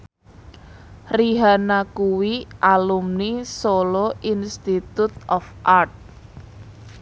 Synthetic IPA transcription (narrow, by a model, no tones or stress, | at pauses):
riɦanakuwiʔalumnisoloʔinst̪it̪ut̪̚ɔfʔart̪̚